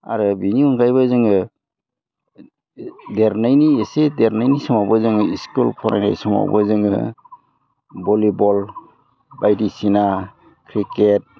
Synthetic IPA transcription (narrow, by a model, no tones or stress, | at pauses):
a̰ɾɯbiniɔŋɡajβɯzɯŋɯ | deɾnajniesedeɾnajnisɔmabɯzɯŋɯiskulpʰɔɾnʔa̰jna̰jsɔma̰bɯzɯŋɯ̰ | bɔlibɔl | bajdisina | kʰɾiket̚